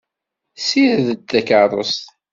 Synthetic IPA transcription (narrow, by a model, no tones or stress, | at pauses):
siɾðət̪ːækərˤə̰st̪